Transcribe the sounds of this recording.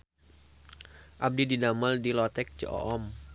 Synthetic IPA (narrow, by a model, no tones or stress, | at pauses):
ʔab̚dididaməldilɔt̪ɛk̚t͡ʃəʔɔ̰ʔɔm